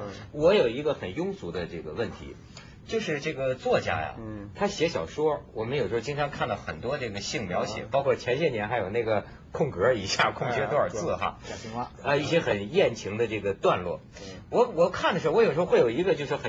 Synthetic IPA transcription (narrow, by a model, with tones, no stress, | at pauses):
wɔ˧˥jo˨˩ʊi˧˥ɡə˧xə˨˩njʊ˥ŋt͡su˧˥d̪ə˧ʈ͡ʂɤ˥˩ɡə˩wə˥˩nt̪ʰḭ˧˥ | t͡ɕjo˥˧ʊʂɻ̩˥˧ʈ͡ʂɤ˥˩ɡə˩t͡swɔ˥˩t͡ɕja̰˥jɐ̰˩t̪ʰa˥ɕjɛ˧˥ɕjɑ̰˨˩ʊʂwɔ˥wɔ˨˩mə˦njo˨˩ʂɻ̩˧˥˧t͡ɕi˥ŋʈ͡ʂʰɑ˧˥ŋkʰa˥˩nd̪ɑ˥˩ʊxə˨˩nt̪wɔ˥ʈ͡ʂɤ˥˩ɡə˩ɕi˥˩ŋmjɑ˧˥ʊɕjɛ̰˨˩pɑ˥ʊkʰwɔ˥˩t͡ɕʰjɛ˧˥nɕjɛ˥˩njɛ˧˥nxa˧˥ɪjo˨˩ʊna˥˩ɡə˩ | kʰʊ˥˩ŋkɤ˧˥i˨˩ɕja˥˩kʰʊ˥˩ŋt͡ɕɥɛ˧˥t̪wɔ˥ə˞˨˩tt͡sɹ̩˥˩xa̰˧ | ə˧i˥˩ɕjɛ˥xə˨˩njɛ˥˩nt͡ɕʰi˧˥ŋd̪ə˧ʈ͡ʂɤ˥˩ɡə˩t̪wa˥˧nlwɔ̰˥˩ | wɔ˧˥wɔ˨˩kʰa˥˩nd̪ə˩ʂ̩˧˥˧jʂ̩˧˥˧wjo˨˩ʊi˧˥ɡə˧t͡ɕjo˥˧ʊʂɻ̩˥˩xə˨˩